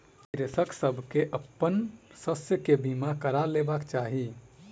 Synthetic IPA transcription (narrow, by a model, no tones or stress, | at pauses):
kɾesəksəbʱkeʔəpːənsəsjəkebimakəɾalebakt͡ʃaːɦi